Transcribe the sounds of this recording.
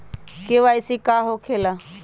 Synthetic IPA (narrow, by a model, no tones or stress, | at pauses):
keːʋaːisiːkaːɦoːkʰeːlaː